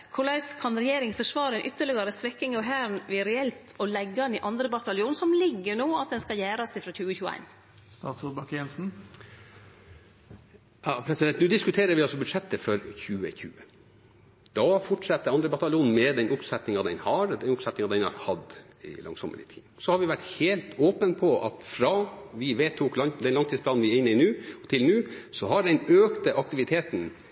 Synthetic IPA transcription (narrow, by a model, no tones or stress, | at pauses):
kʰʊɭɑɪskʰɑnɾɛjeːɾɪŋfɔʂʋɑːɾɛnʔʏt̪ːəɭɪɡɑɾəsʋɛkːɪŋɑʋɦæːɾnʋɪɾɛɛlt̪ɔlɛɡːɑnɪʔɑnd̪ɾəbɑt̪ɑlɪuːnsɔmlɪɡːənoːɑt̪̚d̪ɛnskɑjæːɾɑsd̪ɪfɾɑçʉːəçʉːəæ̰ɪn | st̪ɑːt̪subɑkjɛnsn̩ | ɑpʰɾɛsɪd̪ɛnt̪nʉːd̪ɪskʉt̪ʰeːɾəɾʋɪɑlsɔbʉd̪ʂɛt̪ːəfɔɾçʉːə̰çʉːə | d̪̥ɑfɔʈʂɑt̪ːəɾɑnd̪ɾəbɑt̪ɑlɪuːnn̩mɛd̪ɛnʔʊpsɛt̪nɪŋɑd̪ɛnhɑɾd̪ɛnʊpsɛt̪nɪŋɑd̪ɛnhɑ̰ɾhɑd̪ | ɪ̰lɑ̰ŋsɔmʔə̰lɪ̰t̪ʰḭːsɔhɑɾʋɪʋæʈheːlt̪ʰoːpənpʰɔʔɑ̰t̪fɾɑːʋɪʋeːt̪ʰːuːk̪ɑd̪ɛnlɑŋt̪iːspʰlɑːnʋɪɾɪnːəɪnʉːt̪ʰɪlnʉːsɔɦɑɖɛnøːkt̪əʔɑkt̪ɪʋɪt̪ʰeːt̪n̩